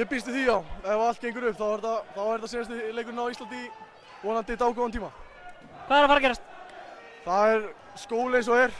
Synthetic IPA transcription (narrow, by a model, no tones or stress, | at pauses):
jɛpist̪ɪθiawɛvaalt̪̚cẽjŋkʏɾʏpθawɛɾt̪aθawɛɾt̪asɪnast̪ɪleːjk̬ʏnawist̪ant̪̬i | ɔnant̪ɪt̪aːwkʰɔvant̪ʰiːma | kʰaðɛɾafaɾacɛɾast̪ | θaðɛɾ | skoːwlɪejnsɔɛɾ̥